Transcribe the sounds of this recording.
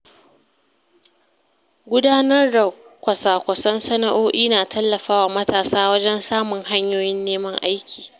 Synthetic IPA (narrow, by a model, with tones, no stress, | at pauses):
ɡʷʊ˦daː˦nɐ˦rda˨kʷɐ˨saː˨kʷɐ˨sɐ˦nsɐ˦na˨ʔoː˦ʔiː˦naː˨tʰɐ˦lːɐ˨ɸaː˦waː˨mɐ˦taː˨saː˦wɐ˦d͡ʒɛ˦nsaː˦mʊ˨ŋɦa˦ɲjoː˦jɪ˦nːeː˦mɐ˦ŋʔa˦jkʲiː˨